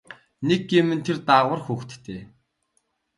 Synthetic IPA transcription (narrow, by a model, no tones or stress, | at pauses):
neɡemɘ̆nt̪ʰert̪aʁwə̆rxuːxt̪ːʰeː